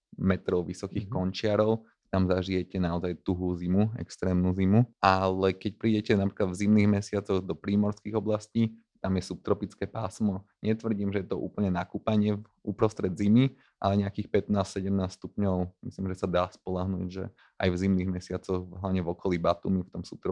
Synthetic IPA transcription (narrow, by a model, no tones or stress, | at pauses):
mɛt̪ɾɔʊʋisɔkixkkɔnt͡ʃɪaɾɔʊ | t̪amzaʒijɛcɛnaɔzajt̪uɦuzimuɛ̰kst̪ɾɛːmnuzimuʔalɛkɛc̚pɾiːɟɛcɛnapɾi̥ːklad̪vzimniːɣmɛsɪat͡sɔɣd̪ɔpɾiːmɔɾskiːɣɔblasciː | t̪amjɛsup̚t̪ɾɔpit͡skɛːpaːsmɔɲɛt̪ʋr̩ɟiːmʒɛjɛt̪ɔʔṵːpl̩ɲɛnakuːpaɲɪɛ | upɾɔst̪ɾɛd̪zimi | ʔa̰lɛɲɛakiːxpɛt̪naːssɛɟɛmnaːsst̪upɲɔʊmislimʒɛsad̪aːspɔlaɦnṵːɟʒɛ̰ | ʔa̰jvzimniːɣmɛsɪat͡sɔɣɦlaʋɲɛvɔkɔlibat̪ṵːmift̪ɔmsu̥p̚t̪ɾɔ